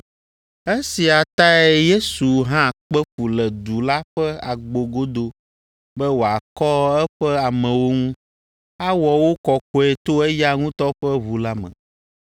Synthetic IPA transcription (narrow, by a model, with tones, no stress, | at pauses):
e˦si˨a˨t̪a˦ɛ˦je˦su˨ɦã˦˨k͡pɛ˦ɸu˨lɛ˨d̪u˨la˦ɸɛ˦a˨ɡ͡bo˨ɡo˦d̪o˦ | bɛ˦wo˨a˨kɔ˦ɛ˦ɸɛ˦a˨mɛ̃˨wo˦ŋũ˦ | a˦wɔ˨wo˦kɔ˨kɔ˨˦ɛ˨t̪o˦ɛ˦ja˦ŋũ˦t̪ɔ˦ɸɛ˦βu˨la˦mɛ̰̃˨